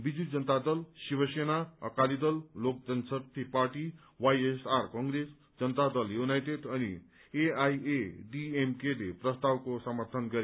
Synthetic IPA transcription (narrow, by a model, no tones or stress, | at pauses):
bid͡zud͡zʌnt̪ad̪ʌlsibʌsenaʌ̰kalid̪ʌllok̚d͡zʌnsʌt̪ʰipaɾʈi | wajesarkʌŋɡɾes | d͡zʌnət̪ad̪ʌljunajʈeɖʌnḭ | eajeɖiemkeleprʌst̪awkosʌmʌrt̪ʰʌnɡʌɾ